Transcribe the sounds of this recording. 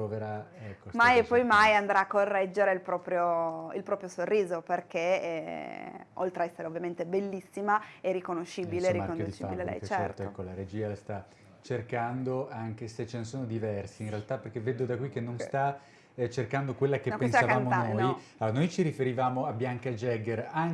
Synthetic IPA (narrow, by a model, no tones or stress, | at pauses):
pɾoveɾaɛkːomajepːɔjmajand̪ɾaakːorːɛd͡ʒːeɾeilpɾɔːpɾjoilpɾɔːpɾjosorːiːzoperk̟e | ʔo̰lt̪ɾeaɛsːeɾeovːjament̪ebelːisːimaerikonoʃːiːbileɾːimakonud̪it͡ʃifabilelɛ̰jt͡ʃt͡ʃɛɛɾt̪oɛkːolaɾed͡ʒiːast̪a | t͡ʃerkand̪oaŋk̟eset͡ʃenesoːnod̪ivɛrsiːnɾealt̪aperkeveːd̪od̪akwikːenːonst̪a | t͡ʃerkand̪okwelːakeñpːensaavkaːmonannojalonojt͡ʃiɾifeɾivaːmoabjaŋkad͡ʒɛɡeraŋ